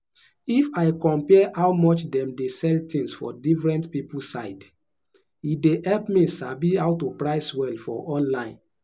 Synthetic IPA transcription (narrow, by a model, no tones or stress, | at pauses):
ifaɪkɔ̃mpɛʔawmɔt͡ʃdɛ̃mdesɛltʰĩŋsfɔ̰difɹɛ̃ntpipulsaɪd | ideʔɛlpmisabiaʊtupɹaɪswɛlfɔʔɔ̃nlãɪ̃n